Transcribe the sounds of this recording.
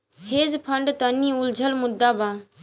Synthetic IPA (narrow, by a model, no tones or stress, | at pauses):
heːzpʰəɳɖt̪ənːĩːʊld͡ʒʱəlmʊd̪ːaːbãː